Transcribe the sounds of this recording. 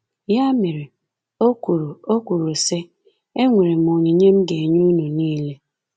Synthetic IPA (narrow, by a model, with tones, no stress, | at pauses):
ja˦me˨ɾe˨ | o˦ku˨ɾu˨o˦kʷu˨ɾu˨se˦ | e˦ŋʷe˨ɾe˨m̩˨o˨ɲi˨ɲe˦m̩˦ɡe˨ɲu˦nu˨niː˦le˦